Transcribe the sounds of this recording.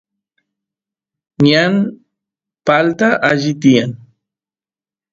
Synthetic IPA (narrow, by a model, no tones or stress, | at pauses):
ɲan | palt̪aʔaʒɪt̪ijan